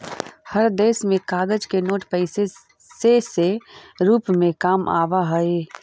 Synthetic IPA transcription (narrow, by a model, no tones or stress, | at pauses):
həɾd̪eːsmẽkaːɡəd͡ʒkenoːʈpəɪse | seseɾuːpmẽkaːmʔa̰ːʋaɦɐe